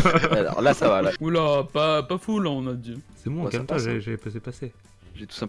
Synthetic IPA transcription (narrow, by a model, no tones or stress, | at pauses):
alɔ̰ʁlasavalaulapapafulãɔ̃nad̪isɛmɔ̃kɛlt̪ãʒeʒepzepase | ʒɛt̪u̥sɛ̃